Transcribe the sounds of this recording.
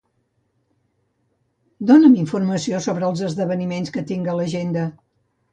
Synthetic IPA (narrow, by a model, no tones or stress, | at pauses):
d̪onəmiɱfurməsiosoβɾəːlˠzəzðəβ̞ənimenskət̪iŋɡələʒend̪ə